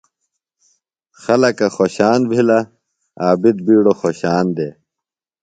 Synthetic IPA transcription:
xɐlɐkɐxoːɕaːnbʱila | aːbid̪̚biːɽoxoːɕaːnd̪eː

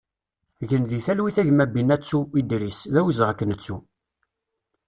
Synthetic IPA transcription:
ʝənðiθælwiθæʝmæbinːæt͡sːuid̪ɾisðæwəzʁækːənət͡sːu

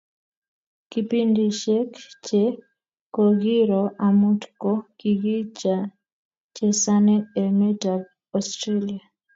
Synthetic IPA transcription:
kipindiʃɛkt͡ʃɛ | kɔɡiɾɔʔamutkɔkiɡit͡ʃa | t͡ʃɛsanɛɛmɛtal | ɔstɾelia

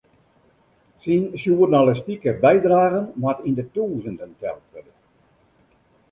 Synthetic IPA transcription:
sinsjuərnalɪstikəbɛjdraːɣənmatindətuːzəndəntɛ̰lˠtʋødən

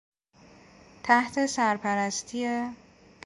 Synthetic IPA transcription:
t̪ʰæht̪ʰe̞sæɾpʰæɾæst̪ʰije | b̥

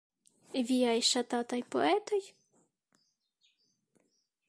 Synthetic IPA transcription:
ʋʲijɑjʃat̪ɑt̪ɑjpɔ̰ɛt̪ɔj

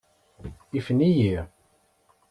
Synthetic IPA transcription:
ifənijiʁ

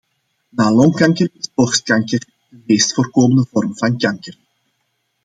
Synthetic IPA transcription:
naːlɔŋkɑŋkərɪsbɔxst̚kɑŋkər | dəmeːstfoːrkoːməndəvɔrmvɑnkɑŋkər

